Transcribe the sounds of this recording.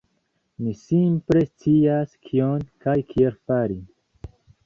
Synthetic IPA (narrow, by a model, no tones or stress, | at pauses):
misimpɾe̞st͡siaskʰionkajkʰielfaɾi